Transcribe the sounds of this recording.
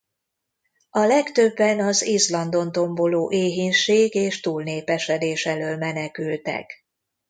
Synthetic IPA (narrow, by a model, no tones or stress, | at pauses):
ɒlɛkt̪øbːɛnɒzizlɒnd̪o̞nt̪o̞mbo̞loːʔeːɦinʃeːɡeːʃt̪uːlneːpɛʃɛd̪eːʃɛløːlmɛnɛkylt̪ɛ̰k